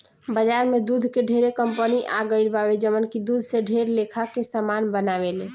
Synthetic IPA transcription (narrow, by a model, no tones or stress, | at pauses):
bəd͡ʒaɾmed̪ud̪ʱkeɖʱeɾekəmpəniʔaɡəilbawed͡ʒəmənkid̪ud̪ʱseɖʱeɾlekʰakesamanbənaʋele